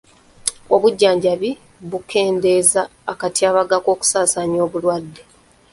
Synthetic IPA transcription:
oβuɟːaːɲɟaβi | βukʰe̞ːnde̞ːzaːkatiaːβaɡako̞ːku̥saːsaɲo̞ːβulwadːe̞

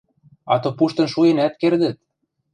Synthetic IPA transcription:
ɑt̪ŏpuʃt̪ɤ̆nʃujenæt̪̚kerd̪ə̆t̪̚

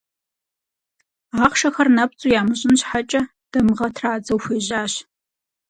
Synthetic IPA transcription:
aːχʃɐxɐrnɐp̚t͡sʼujaːmɨʑʼɪnɕħat͡ʃʼɐ | d̥ɐmʁɐtʰraːd͡zɐwxʷeːʑaːɕ

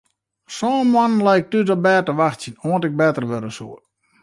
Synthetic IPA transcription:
sɔːmannlɛjk̚tydɔbɛːtəʋaxtsənoəntɪk̚bɛtərʋøɾəsṵə

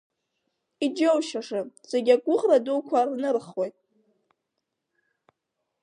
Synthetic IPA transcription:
id͡ʒowʃaʂat͡sʼeɡʲakʷʼʊχradowkʷʰarnɨrχwojtʼ

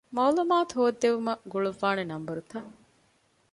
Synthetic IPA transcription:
mɐwlumaːt̪uɦoːd̪ːeʋumɐɡuɭuʋːaːnenɐmbɐɾut̪ɐ

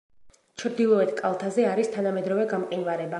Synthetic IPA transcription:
t͡ʃʰɾd̪ilˠɔɛt̪ʰkʼalˠt̪ʰazɛaɾist̪ʰanamɛd̪ɾɔvɛɡamqʼinvaɾɛba

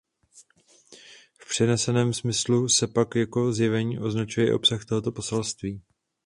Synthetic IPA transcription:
fpr̥ɛnɛsɛnɛːmsmɪslusɛpakjako̞zjɛvɛɲiːʔo̞znat͡ʃujɛʔo̞̰psaxt̪o̞ɦot̪o̞po̞sɛlst̪viː

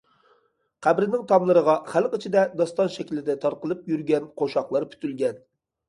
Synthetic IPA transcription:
qʰæbɾɪnɪŋt̪ʰɑmlˠɨɾəʁɑχælqit͡ʃʰid̪ɛd̪ɑst̪ɑnʃɛkʲlɪd̪ɛt̪ʰɑɾqəlˠɨp̚jyɾɡʲɛnqʰoʃɑχlˠɑɾpʰy̥t̪ʰylɡʲɛn

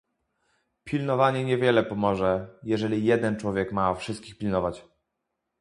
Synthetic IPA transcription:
pʲilnɔvaɲɛɲɛvʲjɛlɛpɔmɔʐɛjɛʐɛlʲijɛd̪ɛnt͡ʂwɔvʲjɛkmafʂɘst̪̚kʲixpʲilnɔvat͡ɕ

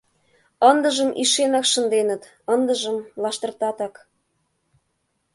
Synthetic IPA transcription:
ənd̪əʒəmʔiʃenɑkʃə̆nd̪enə̆t̪ | ənd̪əʒə̆mlɑʃt̪ə̆rt̪ɑt̪ɑk

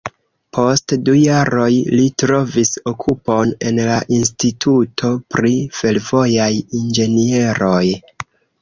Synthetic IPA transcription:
pʰo̞stdujaɾo̞jlitɾo̞viso̞kʰupo̞ne̞nlaʔinstitʰutʰo̞pɾife̞lvo̞jajind͡ʒe̞nie̞ɾo̞j

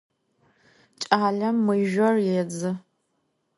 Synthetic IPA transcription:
t͡ʃʼaːɮɐmːɨjʒᶣʷɐrjɛd͡zɨ

